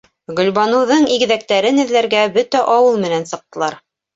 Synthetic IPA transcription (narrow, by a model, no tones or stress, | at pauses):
ɡɵ̆lʲβɑnɤ̆wðɤɴiɡɘ̆ðæk̚t̪æɾɘnɘ̆ðlæɾɡæbɵt̪æʔɑwɤlˠmɘ̆nænsɤ̆q̚t̪ɤ̆lˠɑɾ